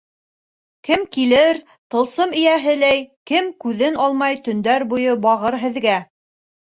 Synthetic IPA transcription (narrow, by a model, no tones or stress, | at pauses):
kɘmkilɘɾ | t̪ɤ̆lˠsɤmɘ̆jæɦɘlæjkɘmkʉðɘnɑlˠmɑjt̪ɵ̆nd̪æɾbujɤbɑʁɤɾɦɘ̆ðɡæ